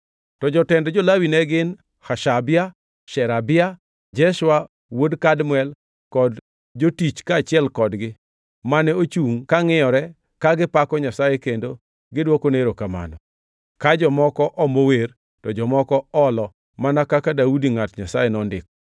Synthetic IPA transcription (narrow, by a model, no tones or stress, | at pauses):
tɔd͡ʒɔtɛndɔd͡ʒolawinɛɡɪn | haʃabɪa | ʃɛɾabɪa | d͡ʒɛʃwa | wodkadmʊɛl | kɔd | d͡ʒotit͡ʃkaːt͡ʃɪɛlkɔdɡɪ | manɛot͡ʃuŋkaŋɪjɔɾɛ | kaɡɪpakɔɲasajekendo | ɡɪdwokoneɾokama̰nɔ̰ | kad͡ʒɔmɔkɔʔɔmower | tɔd͡ʒɔmɔkɔɔlɔ | manakakadaudiŋatɲasajenɔndɪ̰k̚